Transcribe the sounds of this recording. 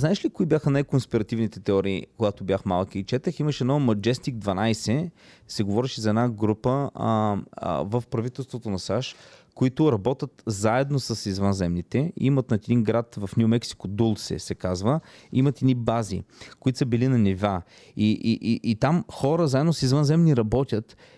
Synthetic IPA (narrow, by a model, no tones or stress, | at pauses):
znaɛʃlikoʊibʲjaxənajkonspiɾɐt̪ivnit̪ɛt̪ɛɔɾiːkoɡat̪obʲjaxmalˠkiːt͡ʃɛt̪əximəʃɛɛd̪nɔmɐd͡ʒɛst̪iɡ̚d̪vɐnajsɛsɛɡovɔɾɛʃizɐɛd̪naɡɾupə | vəfpɾɐvit̪ɛlˠst̪vot̪onɐsaʃkoit̪ʊɾɐbɔt̪ʲət̪zaɛd̪nosəsizvənzɛmnit̪ɛḭmɐt̪nɐt̪ɛd̪iŋɡɾat̪vəfnʲjumɛksi̥kod̪ulˠsɛ̰sɛkazvəimɐt̪ɛd̪nibazḭkoit̪səbilinɐniva | iʔʔiʔit̪amxɔɾəzaɛd̪nosizvənzɛmniɾɐbɔt̪ʲət̪